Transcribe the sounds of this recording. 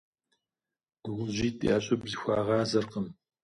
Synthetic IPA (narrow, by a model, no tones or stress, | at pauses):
ʁʷʊʑiːtʼḛaɕʼɐbzixʷɑːʁɑːzɐrqəm